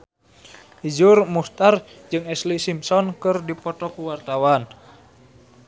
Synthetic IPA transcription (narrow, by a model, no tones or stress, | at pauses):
ʔid͡ʒurmust̪ard͡ʒɨŋɛslisimsɔnkɨrdipɔt̪ɔkuwart̪awan